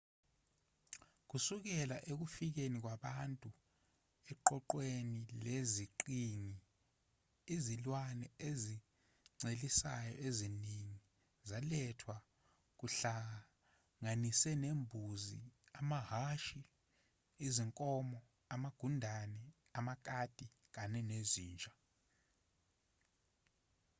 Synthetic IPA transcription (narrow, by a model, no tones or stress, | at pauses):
k̬usuk̬ɛlaʔek̬ufik̬enik̬waɓantʼu | ɛǃɔǃwenileziǃiŋi | izilwanɛezi | ŋ͡ǀelisa̰jɔ̰ʔeziniŋi | zalɛtʰwa | k̬ʼuɬaa | ŋanisɛnembʱuzḭamaɦaʃi | iziŋkʼɔmɔ | amaɡ̥ʱundʱanɛ | amakʼad̥ʱʼi | k̬ʼanɛneziːnt͡ʃʼḁ